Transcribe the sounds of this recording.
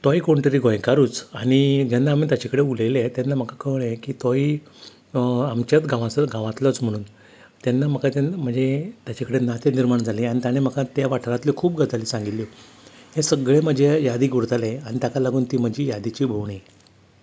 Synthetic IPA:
t̪ɔikoɳʈəɾiɡõjkaɾuːt͡saɽ̃id͡ʑanːaːmiːt̪jat͡ɕakəɽeulelet̪janːam̤əkakəʋɳẽkiːt̪ɔi | amt͡ɕat̪ɡãʋãsɡãʋãt̪lət͡sm̤əɽ̃uːn | t̪janːam̤əkat̪em̤əɳd͡zet̪jat͡ɕakəɽenat̪eniɾmaɳd͡zʱaliaɽ̃it̪jañem̤əkat̪jaʋaʈʰəɾat̪likʰuːp̚ɡəd͡zʱaliːsãŋɡit̪lːi | hẽsəɡɭem̤əd͡ʑejad̪iːɡuɾt̪aleaɽ̃it̪jakalaɡuːnt̪iːm̤əd͡ʑijad̪it͡ɕiːbʱoʋɳe

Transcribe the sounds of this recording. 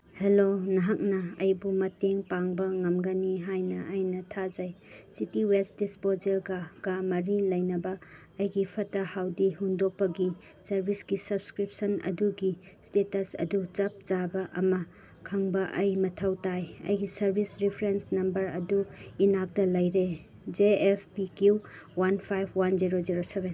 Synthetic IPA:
helonɐɦak̚nɐɐjbumɐteŋpaŋbɐŋɐmɡɐniɦajnɐʔːjnɐtʰad͡ʒajsitiwelsdispozelɡaɡ̥amɐɾilɐjnɐbɐː | jɡipʰɐtɐhawdiɦundok̚pɐɡi | sɐɾbʱisɡisɐbskɾip̚sɐnɐ̰duɡi | stetɐsɐ̰dut͡ʃɐp̚t͡ʃabɐʔɐ̰mɐ | kʰɐŋbɐʔɐjmɐtʰɐwtajɐ̰jɡisɐɾbʱisɾipʰɾensnɐmbɐɾɐduinak̚tɐlɐjɾe | d͡ʒeepʰpikjuwanpʰajbʰwand͡ʒiɾoziɾoseben

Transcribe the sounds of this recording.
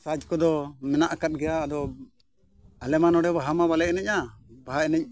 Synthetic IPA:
sad͡ʒkɔd̪ɔmɛnaʔkat̪̚ɡɛjaːd̪ɔ | alɛmanɔɖɛbaɦamabalɛʔnɛcabaɦaɛnɛc̚

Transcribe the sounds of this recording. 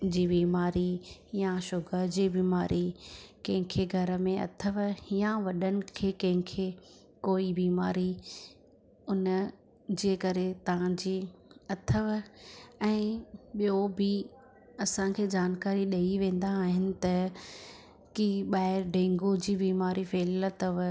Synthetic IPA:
d͡ʑiːbiːmaːɾijaʃʊɡʱəd͡ʑiːbiːmaːɾʔikɐ̃ɦɪ̃kʰeɡʱɐɾə̆mẽɐ̰t̪ʰəʋijãʋɐɗənɪ̆kʰeːkɐ̃ɦɪ̃kʰeː | koːibiːmaːɾi | ʊn | d͡ʑeːkɐɾet̪ɐʋ̤ãd͡ʑiːɐt̪ʰəʋ | ɛ̃ːɓijobɪ | ɐsãkʰeːd͡ʑaːnkaːɾiɗɐiʋẽːn̆d̪aːɦɪnɪ̆t̪ɐ | kiɓaːɪɾɖẽːŋɡod͡ʑiːbiːmaːɾifeːlət̪əʋ

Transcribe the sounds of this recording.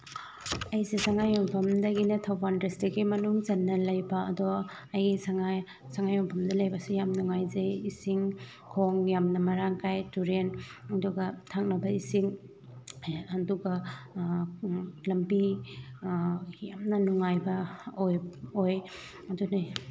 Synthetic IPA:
ɐjzisaŋajɔmpʰɐmdɐɡinɐtʰɐwbandɾestɐɡimɐnuŋzɐnːɐlɐjbɐɐdo | ɐjɡisaŋa | saŋajɔmpʰɐmdɐlɐjbɐsijamnuŋajzejisiŋ | kʰoŋjamnɐmɐɾaŋkʰajtuɾenɐduɡɐtʰak̚nɐbɐisiŋ | ɐduɡɐ | lɐmbi | jamnɐnuŋajbɐojoj | ɐdunej

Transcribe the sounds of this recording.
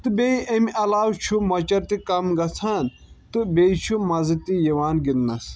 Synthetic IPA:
t̪ɨbʲeiʔemʲɐlaːwt͡ʃʰumɐt͡ʃɐɾt̪ikɐmɡɐt͡sʰaːn | t̪ɨbeit͡ʃʰumɐzit̪ijewaːnɡind̪nɐs

